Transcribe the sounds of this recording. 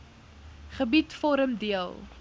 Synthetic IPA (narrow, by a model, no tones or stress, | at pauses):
χəbitfɔɾəmdiəlˠ